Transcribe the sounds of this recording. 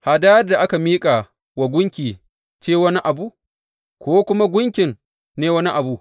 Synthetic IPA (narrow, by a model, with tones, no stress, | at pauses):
ha˨da˦jɐ˦rda˨ʔa˦ka˨miː˦kʼa˨ | wɐ˨ɡʷʊ˦ŋkʲiː˨ | t͡ʃeː˦wɐ˦ni˦ʔa˨buː˦ʔ | kʷoː˦kʷʊ˦ma˦ɡʷʊ˦ŋkʲɪ˨n | neː˦wɐ˦ni˦ʔa˨bu˦